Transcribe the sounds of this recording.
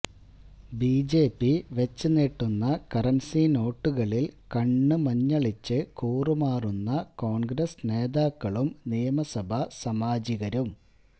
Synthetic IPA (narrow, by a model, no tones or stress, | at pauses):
biːd͡ʑeːpːiʋet͡ɕːɨneːʈːunːɐkɐrɐnsino̞ːʈːuɣɐɭilkɐɳːɨmɐɲːɐɭit͡ɕːɨkuːrumaːrunːɐko̞ːɳɡɾɐsne̞ːðaːkːɐɭumnijɐmɐsɐbʱɐsɐmaːd͡ʑiɣɐɾum